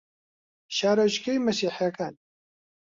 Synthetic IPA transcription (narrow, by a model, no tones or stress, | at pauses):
ʃaːɾɐʃkejmɐsiːħjakaːn